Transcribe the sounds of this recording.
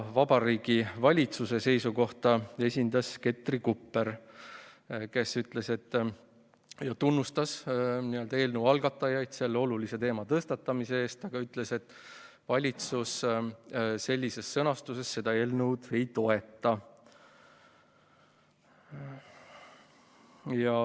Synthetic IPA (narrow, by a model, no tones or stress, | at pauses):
vɑb̥ɑɾiːɡ̥ivɑlʲit̪suse̞se̞jsuko̞ht̪ɑe̞sʲind̪ɑske̞t̪ːrikupːe̞ɾ | ke̞syt̪le̞se̞t̪ː | jɑt̪unːust̪ɑsniːøld̪ɑe̞ːlnuwɑlɡ̥ɑt̪ːˑɑjɑjd̪̥se̞lːeo̞luliset̪e̞ːmɑt̪ɤst̪ɑt̪ːɑmise̞eːst̪ɑɡ̥ɑyt̪le̞se̞t̪ːˑ | vɑlʲit̪sus | se̞lʲːise̞sːɤnɑst̪use̞sːe̞d̪̥ɑe̞ːlnuwd̪̥e̞jt̪o̞e̞t̪ˑːɑ | jɑ